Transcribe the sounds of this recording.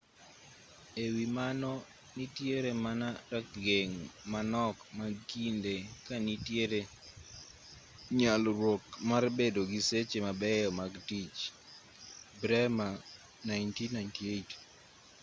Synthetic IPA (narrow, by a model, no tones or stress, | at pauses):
ewimanɔ | nitjeɾemanaɾak̚ɡeŋmanɔkmaɡindekanitjeɾe | ɲalɾwokmarbedoɡiset͡ʃemabɛjɔmaɡtit͡ʃ | bɾɛma | najntinajntiet